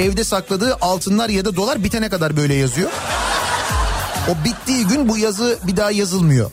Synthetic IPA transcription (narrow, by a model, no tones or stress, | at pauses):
ɛvd̪ɛsaklˠad̪ɯːʔalˠt̪ʰɯnlˠaɾjad̪ad̪o̞lˠaɾbit̪ʰenɛkad̪aɾbø̞jlʲɛjazɯjo̞ | obit̪ːiːɟynbujazɯbid̪aːjazɯlˠmɯjo̞̰